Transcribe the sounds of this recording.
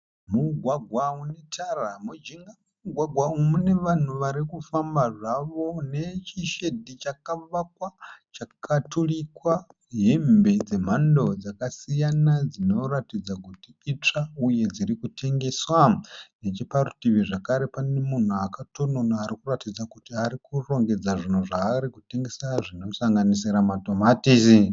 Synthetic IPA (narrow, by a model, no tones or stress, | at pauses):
muɡʱwaɡʱwaunetʰaramud͡ʒiŋɡam | uɡʱwaɡʱwaumune̞ʋan̤uʋaɾikufambaʐaʋo̞ne̞t͡ʃiʃe̞dʱit͡ʃakaʋak̚wat͡ʃakatʰulikwa | ɦembe̞d͡ze̞m̤ando̞d͡zakasijanad͡zino̞ratid͡zakutiit͡ʂauje̞d͡ziɾikutʰe̞ŋɡe̞swane̞t͡ʃiparutiʋiʐakaɾe̞panemun̤uakato̞nonaːɾikuratid͡zakutiaɾikuro̞ŋɡe̞d͡zaʐin̤uʐaːɾikute̞ŋɡe̞saʐinosaŋɡanisiɾamatomatisi